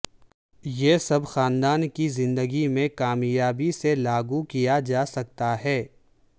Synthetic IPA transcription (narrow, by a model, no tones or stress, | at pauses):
jeːsɐbxaːnd̪aːnkizɪ̃nd̪əɡimẽkaːmjaːbiselaːɡukijad͡ʒaːsɐk̚t̪aɦɛː